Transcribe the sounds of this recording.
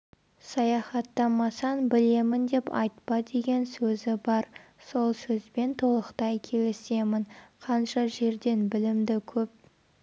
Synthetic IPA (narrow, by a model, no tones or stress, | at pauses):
sɑjɑχɑt̪ːɑmɑsɑnbɪle̞mɪnd̪e̞pɑ̰jt̪pɑd̪e̞ɡʲe̞nsɵzɪbɑɾso̞lˠsɵzbe̞nt̪ʰolˠəqt̪ɑjkʲʰe̞lese̞mɪnqʰɑnʃɑʒe̞ɾd̪e̞nbɪlɪmd̪ɪkʲʰɵp̚